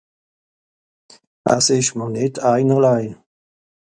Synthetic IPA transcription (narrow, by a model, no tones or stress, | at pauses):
a̰seʃmɔnet̪ʰajnɔlajn